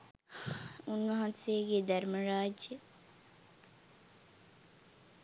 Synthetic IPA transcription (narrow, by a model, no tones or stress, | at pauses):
unʋɐɦɐnsejɡed̪ɐɾməɾaːd͡ʒjə